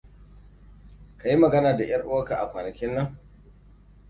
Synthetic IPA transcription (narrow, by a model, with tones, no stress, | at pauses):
ka˨ji˦mɐ˨ɡɐ˦naː˨da˨j̰ɐ˦rʔo˦ka˨ʔa̰˨kʷaː˨nɐ˨kʲɪ˦nːɐ˦ŋ